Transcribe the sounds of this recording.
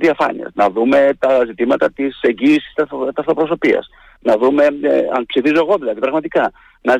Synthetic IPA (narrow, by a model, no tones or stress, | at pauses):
ðiɐfɐnḭɐ̰znɐðume̞t̪ɐzit̪imɐt̪ɐt̪ise̞ɲɟiːsi̥st̪ɐt̪ɐft̪ɾo̞pɾo̞so̞piɐ̰s | nɐðume̞ɐ̰npsifizo̞e̞ɣo̞ðilɐðipɾɐɣmɐt̪ikɐ | nɐ